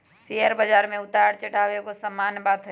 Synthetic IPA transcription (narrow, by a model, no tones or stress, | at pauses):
sijəɾbəd͡ʒaːɾmẽʊt̪aːɽt͡ʃɐɽaːʋekosɐmːaːnbaːd̪ɦ